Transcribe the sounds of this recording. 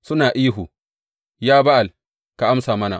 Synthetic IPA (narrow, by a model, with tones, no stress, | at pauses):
sʊ˦naː˨ʔiː˦ɦu˨ | jaː˦ba˦ʔa˨l | ka˨ʔa˦msaː˨mɐ˦na̰˨